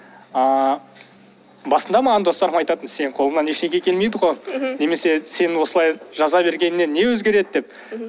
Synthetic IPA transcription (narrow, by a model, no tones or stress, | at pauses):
ɑ | bɑsənd̪ɑmɑʁɑnd̪o̞st̪ɑɾəmɑjt̪ɑt̪ənse̞nqʰolˠənɑneʃnekʲe̞kʰʲe̞lme̞jd̪əʁone̞me̞se̞se̞nɪwo̞səlˠɑjʒɑzɑbe̞ɾɡʲe̞nɪne̞nːe̞wɵzɡʲe̞ɾe̞d̪ɪd̪e̞p̚